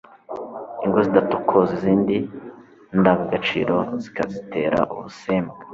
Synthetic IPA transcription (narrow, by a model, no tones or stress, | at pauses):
iŋɡo̞zidatu̥kʰoziziːndi | ndaɡaɡat͡ʃḭːɾo̞zi̥kazitʰe̞ːɾa̰ʔṵβuseːmɡe